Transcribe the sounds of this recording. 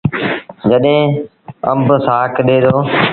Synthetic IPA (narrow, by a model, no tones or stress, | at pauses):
d͡ʒəɗɦẽː | ə̰mbsaːkɗeːd̪oː